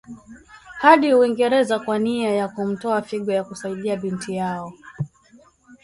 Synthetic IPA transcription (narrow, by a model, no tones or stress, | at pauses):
haɗihuiŋɡɛɾɛzakwaniajakum̩tɔafiɡwajakusaiɗiaɓintijaɔ